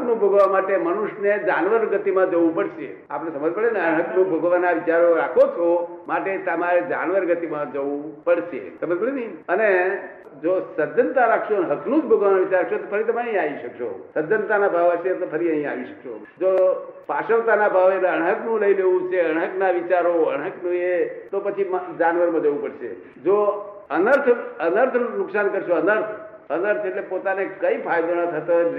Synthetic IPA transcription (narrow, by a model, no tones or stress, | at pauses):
knũbʱəɡʋamaʈeməñuʃned͡ʒanʋəɾɡət̪imãd͡ʒəʋũpəɽʃḛ | a̰pɽ̃esəməd͡ʒpəɭeneəɽɦəknũbʱəɡʋanaʋɪt͡ʃaɾoɾakʰot͡ʃʰomaʈet̪əmaɾed͡ʒa̰nʋəɾɡət̪imãd͡ʒəʋũpəɽʃḛsəməd͡ʒbəɾeniiəne | d͡ʒosəd͡ʒənt̪aɾakʰʃoneɦəkʰnũd͡ʒbʱəɡʋanaʋit͡ʃaɾakʃot̪opʰəɾit̪əmeəɦĩaʋiʃəkʃo̰səd͡ʒənt̪anabʱaʋt͡ʃʰet̪opʰəɾiəɦĩa̰ʋiʃə̥kʃo̰ | d͡ʒopaʃəʋt̪anabʱaʋeləɳɦəknũləileʋũt͡ʃʰeəɽ̃ɦəknaʋit͡ʃaɾoəɽ̃ɦəknũet̪opət͡ʃʰimd͡ʒanʋəɾmãd͡ʒəʋũpəɽʃḛ | d͡ʒo | ənəɾt̪ʰənəɾt̪ʰnʊksankəɾʃoənəɾt̪ʰ | ənəɾt̪ʰeʈlepot̪anekəĩpʰajd̪ənə̃t̪ʰət̪o